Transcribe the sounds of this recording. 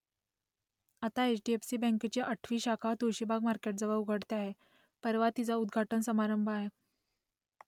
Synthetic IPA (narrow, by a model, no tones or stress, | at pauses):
at̪aet͡ɕɖiefsiːbɛ̃ŋket͡ɕeʔəʈʰʋiːɕakʰat̪uɕibʱaɡmaɾkeʈ̚d͡zəʋaʋuɡʱəɽt̪eaɦe | pəɾʋat̪it͡saud̪ɡʱaʈənsəmaɾəmbʱəaɦe